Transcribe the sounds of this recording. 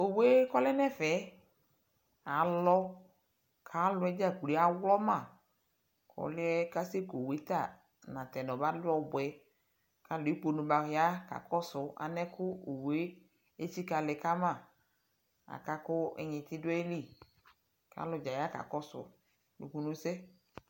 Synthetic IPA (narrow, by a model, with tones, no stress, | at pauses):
o˨we˦kɔ˦lɛ˦nɛ̃˦fɛ˨˦ | a˨lɔ˦ | kʰa˨˦lʊ˨˦ɛ˦d͡ʒa˦˨ku˨li˨˦a˨wlɔ˦mã˦˨ | kʰɔ̰˨lɪ˦ɛ˦ka˦se˦ko˨we˦t̪a˦˨ | nã˨t̪ɛ˨nɔ̃˨ba˦dʊ˦ɔ˦bʊ˨ɛ˨˦ | ka˨lʊ˨e˦k͡po˨nʊ̃˨ba˨ɦɪ˨˦a˦ka̰˨kɔ˦sʊ˨a̰˨nɛ̃˦kʰʊ˦o˨we˦ | e˦t͡ʃi˦ka˨lɪ˨ka˦mã˦˨ | a̰˨ka˦kʊ˦ɛ̰˨ɲɪ̃˨t̪ɪ˦dʊ˦ɛ˦li˦˨ | ka̰˨˦lʊ˨d͡ʒa˨ja˦ka̰˨kɔ˦sʊ̰˨ | nṵ˨ku˨nũ˦sɛ˦